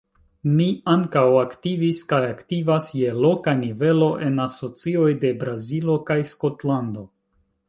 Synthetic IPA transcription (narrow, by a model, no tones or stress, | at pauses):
miaŋkawaktiviskajaktivasje̞lo̞kanive̞lo̞ʔe̞naso̞t͡sio̞jde̞bɾazilo̞kajsko̞tlando̞